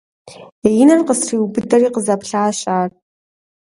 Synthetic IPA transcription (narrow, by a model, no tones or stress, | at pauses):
ejɪnɐrqəsriːwbɨdɐriːqəzɐpɬaːɕʼaːr